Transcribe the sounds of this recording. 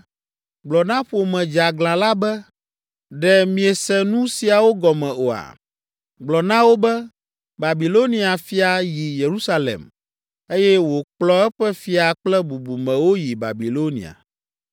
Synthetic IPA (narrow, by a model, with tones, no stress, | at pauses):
ɡ͡blɔ˨nã˦ɸo˨mɛ̃˨d͡ʒa˨ɡlã˨la˦bɛ˦ | ɖɛ˨mĩ˨ɛ˨sɛ˦nũ˦si˨a˨wo˦ɡɔ˨mɛ̃˨o˨a̰˨ | ɡ͡blɔ˨nã˦wo˦bɛ˦ | ba˨bi˨lo˦nĩ˨a˨fi˦a˨ji˨je˨ɾu˦sa˦lḛ˨m | e˦jɛ˦wo˨k͡plɔ˦ɛ˦ɸɛ˦fi˦a˨k͡plɛ˦bu˨bu˨mɛ̃˨wo˦ji˨ba̰˨bi˨lo˦nḭ˨a̰˨